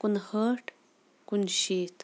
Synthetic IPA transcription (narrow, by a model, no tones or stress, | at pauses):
kunhəʈ | kunʃit̪